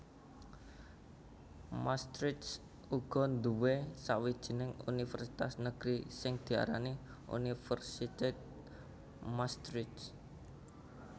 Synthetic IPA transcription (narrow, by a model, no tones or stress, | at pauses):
mast̪ɾɪt̪s | uɡ̥ɔ̤nd̪uwesawid̥ʒ̥i̤nɪŋṵnifərsit̪asnəɡ̥ɾisɪŋd̪̥i̤a̰ɾa̰ni | ʔṵnifərsit̪et̪̚ | mast̪ɾɪts